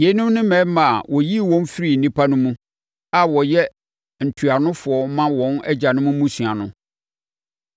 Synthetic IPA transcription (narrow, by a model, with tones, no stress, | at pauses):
je˨˦nʊ̃˦mnɪ̃˦mɛ̃˨˦mã˨wɔ˨ji˦˨wɔ̃˦n˦fɪ˦ɾi˨n̩˨nĩ˦pʰa˦nʊ̃˦mũ˦ | a˨wɔ˨jɛ˦ | n̩˨tʰu˨a˨nʊ̃˦fʊ˨ɔ˨˦mã˦wɔ̃˦nɛ̰˦d͡ʑa˨nʊ̃˦mũ˦mũ˦sɥa˨nʊ̃˦